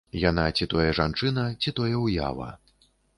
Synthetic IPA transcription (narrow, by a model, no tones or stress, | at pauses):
janat͡sʲit̪ɔjɛʐant͡ʂɨnɐt͡sʲit̪ɔjɛwja̰vɐ̰